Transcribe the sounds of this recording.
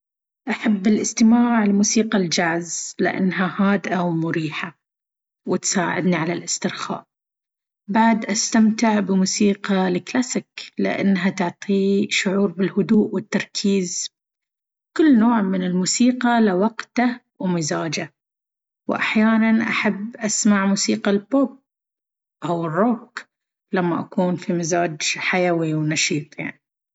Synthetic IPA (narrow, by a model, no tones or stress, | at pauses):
ʔaħabːɪlʔɪst̪ɪmaːʕɪlmuːsiːqald͡ʒaʕzlɪ̰ʔa̰nːɦahaːd̪ʔawmʊɾiːħa | wɪt̪saːʕɪ̰d̪niʕalalʔɪst̪ɪɾxa̰ːʔ | baʕd̪ʔast̪amt̪ɪʕbɪmuːsiːqɑlɪklaːsɪklɪ̰ʔa̰nːɦat̪ʊʕt̪ˤiʃʊʕuːɾbɪlhʊd̪uːʔwɪt̪ːɑɾˤkʰiːz | kʊlːnoːʕmɪnɪlmuːsiːqɑlɪwɑqt̪a | wmɪzaːd͡ʒa | wʔa̰ħjaːnanʔaħabʔasmaʕmuːsiːqalpob̚ | ʔawɪrˤːoːk | lamːaʔakuːnfimɪzaːd͡ʒħajawiwnɑʃiːt̪ˤja̰ʕni